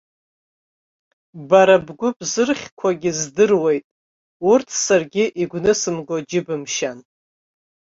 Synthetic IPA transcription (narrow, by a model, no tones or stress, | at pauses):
baɾabɡʷʊbzɨrχʲkʷʰaɡʲɪzdɨrwe̞jtʼ | urtʰsarɡʲɪʔiɡʷnɨsɨmɡod͡ʒɪbɨmʃan